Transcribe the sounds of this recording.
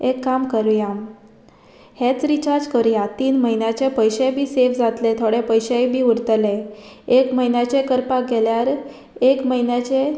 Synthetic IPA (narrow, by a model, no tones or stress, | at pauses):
ekːamkəɾjam | het͡sɾit͡ɕaɾd͡ʑkəɾjat̪iːnməinjat͡ɕepəjɕebʱiːsefd͡zat̪let̪ʰoɽepəjɕajbʱiːuɾt̪əleekməɦinjat͡ɕekəɾpaɡɛljaɾ | ekməɦinjat͡ɕe